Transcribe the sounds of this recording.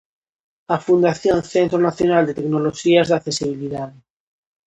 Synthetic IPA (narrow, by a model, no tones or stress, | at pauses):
afund̪aθjonθent̪ɾonaθjonald̪et̪eknoloʃiazðakθe̞siβ̞iliðað